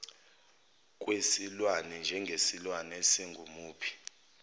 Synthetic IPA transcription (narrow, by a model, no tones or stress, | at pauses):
k̬ʼwesilwanɛnd͡ʒʱɛŋɡʱesilwanesiŋɡʱumuːpʰi̥